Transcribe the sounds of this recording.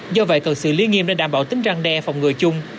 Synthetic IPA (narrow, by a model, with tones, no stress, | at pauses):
zɔ˧və̰˧˨jkə˨˩sɨ̰˧˨li˧ənŋḭ˧əmɗa̰˧˩ɗaː˧˩mɓaː˧˩wt̪ï˨˦ŋ̟za˧ŋɗɛ˧fa˨˩wŋ͡mŋɨ˨˩əjt͡ɕʊ˧ŋ͡m